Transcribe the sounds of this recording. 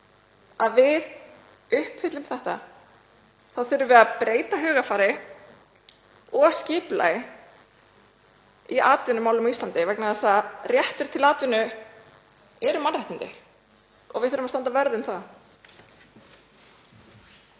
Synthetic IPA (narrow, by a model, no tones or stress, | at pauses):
aðvɪð | ʏhpfɪt̪lʏmθɛht̪a | θaðθʏɾʏvɛðapɾeːjt̪aɦœːɣafaːɾɪ | ɔɣscɪːpla̰jɪ | iaːt̪vʏnʏmaːwlʏmɔist̪lant̪ɪvɛknaðɛsarjɛht̪ʏɾ̥t̪ʰɪlaːt̪vʏnʏ | ɛɾʏmanrajht̪ɪnt̪ɪ̰ | ɔ̰ɣvɪðθʏɾʏmast̪ant̪avɛɾðʏmθa